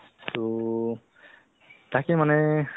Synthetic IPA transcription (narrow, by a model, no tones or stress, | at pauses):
to | t̪akemanɛ